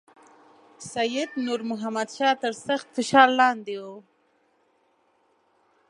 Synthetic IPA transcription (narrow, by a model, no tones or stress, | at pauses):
sajɪd̪nuɾmʊɦamad̪ʃɑt̪əɾsaxt̪fɪʃɑlːɑnd̪ewo